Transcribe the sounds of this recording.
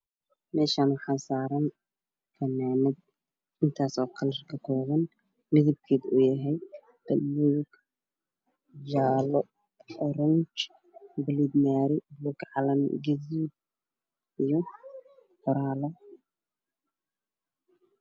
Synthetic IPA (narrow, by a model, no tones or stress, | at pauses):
mɛːʃaːnwɐħasaːɾɐn | fɐnaːmɛd̪̚ | ɪnt̪ʰaːsɔːkʰɐlɐrkʰɐkʰɔːβɐn | mɪðɪb̚kʰeːd̪ujɐɦɛj | b̪̥ɐlːujɡ | d͡ʒaːlɔ | ħɔɾɐnt͡ʃ | bɪlid̪maːɾɪblukʕalɐmɡɐzid̪̚ | ijɔ | ħʊɾaːlɔ